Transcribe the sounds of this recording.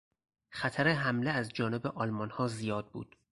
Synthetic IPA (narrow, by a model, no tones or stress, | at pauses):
xæt̪ʰæɾeɦæmleæzd͡ʒɒːnebeʔɒːlmɒnhɒːzijɒːd̪̚bṵːd̪̥